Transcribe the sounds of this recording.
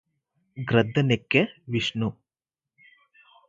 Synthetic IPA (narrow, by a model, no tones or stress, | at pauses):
ɡɾɐd̪ʱːɐnekːɐʋiʂɳu